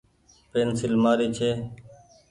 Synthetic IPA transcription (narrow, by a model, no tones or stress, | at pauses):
peːnsɪlmaːɾiːt͡ʃʰeː